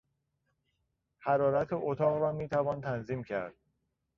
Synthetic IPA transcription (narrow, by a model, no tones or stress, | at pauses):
hæɾɒːɾæt̪ʰeʔot̪ʰɒːɣɾɒːmiːt̪ʰævɒːnt̪ʰænziːmcʰæɾd̪̥̚